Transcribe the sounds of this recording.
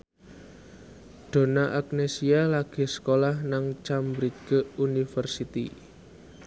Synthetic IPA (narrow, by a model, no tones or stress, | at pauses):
ɖ̪̥o̤naʔak̚nesialaɡ̥e̤sə̥kolahnaŋt͡ʃambɾiɡ̥əunifərsit̪ḭ